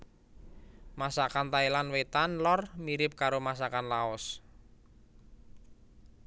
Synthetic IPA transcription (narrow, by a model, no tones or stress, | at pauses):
masakant̪aelanwet̪anlɔrmiɾɪp̚kaɾomas̬akanlaɔs